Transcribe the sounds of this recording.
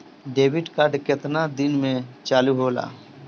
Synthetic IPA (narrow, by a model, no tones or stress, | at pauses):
ɖeːbɪʈkaːɖkɪt̪nad̪ɪnmẽt͡ʃaːluɦoːla̰ː